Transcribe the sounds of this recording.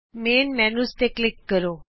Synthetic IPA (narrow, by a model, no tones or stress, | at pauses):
meːnmɛnust̪eklɪkːəɾo